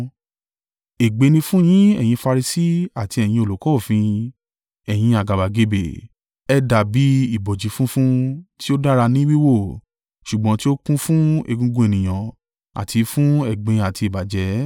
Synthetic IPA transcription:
e˨ɡ͡be˨˧nĩ˧fũ˦j̃ĩ˦ɛ̰˦˨j̃ĩ˧fa˧ɾi˧si˦a˨ti˧ɛ˨j̃ĩ˧o˨lo˨˦kɔ˦˨fĩ˧ | ɛ˨j̃ĩ˧a˨ɡa˨ba˨ɡe˧be˨ | ɛ˧da˨bi˨˦i˨bɔ˨d͡ʒi˨˦fũ˦fũ˦ti˦o˦da˦ɾa˧nĩ˦wi˦wo˦˨ | ʃu˨ɡ͡bɔ̃˧˦ti˦o˦kũ˦fũ˦ḛ˧˨ɡũ˧ɡũ˧˦e˨nĩ˨j̃ã˨ | a̰˨tʰi˨˧˦fũ˦ɛ˨ɡ͡bẽ˨˧a˨ti˧i˨ba˨d͡ʒɛ˨˦

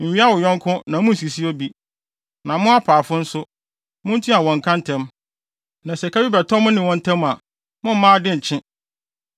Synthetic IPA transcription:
m̩˨ɥi˦a˦wʊ˨jɔ̃˦ŋ˦kʰʊ̃˦nã˨mʊ̃˦n̩˨s̬i˨si˦o˦bi˦ | nã˨mʊ̃˦a˦pʰaː˨fʊ˦n̩˦sʊ˦ | mʊ̃˦n̩˦tʰĩ˦a˨wɔ̃˨ŋ̩˨kʰã˦n̩˦tʰɛ̃˦m | nã˨sɛ˨kʰa˦bi˦bɛ˨tʰɔ˦mʊ̃˦nɪ̃˨wɔ̃˦n̩˦tʰɛ̃˦ma˨ | mʊ̃˦m̩˦mãː˦dɪ˦n̩˨t͡ɕʰɪ̃˦

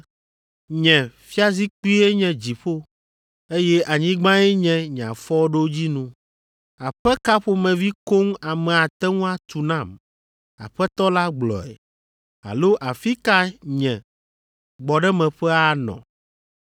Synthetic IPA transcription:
ɲɛ̃˨fi˦a˦zi˦k͡pi˦e˦ɲɛ̃˨d͡ʑi˨ɸo˦ | e˦jɛ˦ʔa˨ɲĩ˦ɡ͡bã˦ɛ˦ɲɛ̃˦˨ɲ˨ã̰˨fɔ˦ɖo˦d͡ʑi˦nũ˦ | a˨ɸɛ˦ka˦ɸo˦mɛ̃˨vi˦ko˦ŋa˨mɛ̃˨a˨t̪ɛ˦ŋũ˦a˦t̪u˨nã˦˨m | a̰˨ɸɛ˦t̪ɔ˦la˦ɡ͡blɔ̰˨ɛ̰˨ | a̰˨lo˦ʔa˨fi˦ka˦ɲɛ̃˨ | ɡ͡bɔ˨ɖɛ˦mɛ̃˨ɸɛ˦a˨nɔ̰̃˨

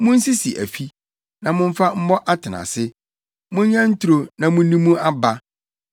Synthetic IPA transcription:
mʊ̃˦n̩˦si˦si˨ʔæ̰˨fi˦ | nã˨mʊ̃˦m̩˦fa˦m̩˦mɔ˦ʔa˦tʰɪ˨nã̰˨sɪ˦ | mʊ̃˦ɲɲã˦n̩˦tʰu˦ɾo˦nã˨mʊ̃˦nĩ˦mũ˦ʔa˦ba˦

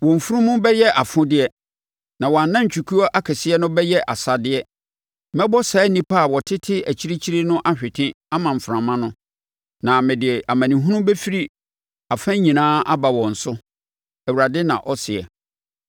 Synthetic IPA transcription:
wɔ̃˨m̩˨fu˦ɾũ˦mʊ̃˦bɛ˦jɛ˦ʔa˨fʊ̃˦dɪ˦ɛ˦ | nã˨wɔ˨a˨nːã˦ɲ˨t͡ɕʰᶣu˨kʰu˦ɔ˦ʔa˦kʰæ˨sɪ˦ɛ˦nʊ̃˦bɛ˦jɛ˦ʔa˨sa˨dɪ˦ɛ˦ | mɛ̃˦bɔ˦saː˨˦nĩ˦pʰa˦˨wɔ˨tʰɪ˦tʰɪ˦æ˨t͡ɕʰi˦ɾi˦t͡ɕʰi˦ɾi˦nʊ̃˦ʔa˦ɕᶣɪ˨tʰɪ̃˦ | a˦mã˨m̩˨fɾã˨mã˦nʊ̃˦ | nã˨mɪ̃˨dɪ˨ɛ˨ʔa˨mã˨nĩ˨ɦũ˦nʊ̃˦bɛ˦fi˦ɾi˦ | a˨fã˦ɲĩ˨nãː˦ʔa˦ba˨wɔ̃˨n̩˨sʊ˦ | ɛ˨wu˨ɾa˨dɪ˦nã˨ʔɔ˦sɪ˨ɛ̰˨

